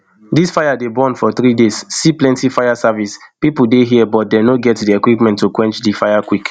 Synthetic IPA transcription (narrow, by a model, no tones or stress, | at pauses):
disfajadebɔ̃nfɔθɹidesːiplɛ̃ntifajasavispipudeɦiɛbɔt̚denoɡɛtdiɛkwipmɛ̃ntːukwɛ̃nt͡ʃdifajakwik